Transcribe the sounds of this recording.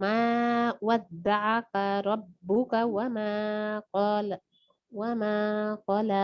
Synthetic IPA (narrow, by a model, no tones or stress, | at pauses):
maːwad̪ːaʕakaɾˤɑbːʊkawamaːqːl | wamaːqɑːla